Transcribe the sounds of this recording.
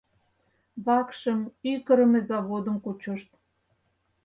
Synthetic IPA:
βɑkʃəmykə̆ɾəmĕzɑβod̪ə̆mkut͡ɕŏʃt̪

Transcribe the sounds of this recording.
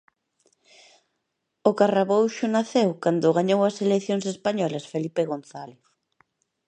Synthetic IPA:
ʊkaraβowʃʊnaθewkand̪ʊɣaɲowɐseleθjoŋsespaɲɔlɐsfelipeɣonθaleθ

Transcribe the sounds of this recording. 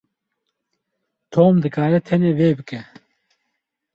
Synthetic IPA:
t̪ʰoːmd̪ɨkaːɾɛt̪ʰɛneːveːbɨkɛ

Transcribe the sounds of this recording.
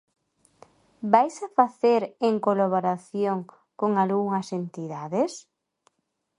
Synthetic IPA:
bajsafaθeɾeŋkolaβoɾaθjoŋ | koŋalɣuŋɐsent̪iðaðes

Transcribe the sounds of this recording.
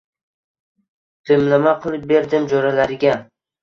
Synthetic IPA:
d̪̥ɪmlamaqʰɨlˠɪp̚be̞ɾd̪ɪmd͡ʒɒɾalaɾɪɡʲa

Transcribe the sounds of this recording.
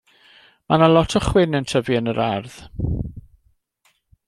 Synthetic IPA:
manalˠɔtʰɔχwɪnəntʰəviənəɾɛrð

